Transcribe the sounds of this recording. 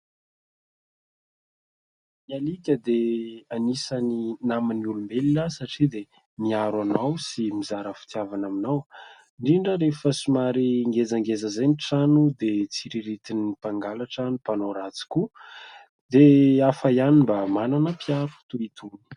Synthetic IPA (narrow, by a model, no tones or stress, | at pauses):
mialikʲəd̪eanisaninaminulumbelilasaʈ͡ʂid̪e | miaɾwanawsimizaɾəfi̥t̪javanaminaw | ɳɖ͡ʐiɳɖ͡ʐəɾefəsimaɾiŋɡed͡zaŋɡezəzejniʈ͡ʂanud̪et͡siɾiɾit̪inipaŋɡalaʈ͡ʂanipanoɾat͡si̥ku | d̪eafaianimbamananəpiaɾut̪uit̪ʰuni̥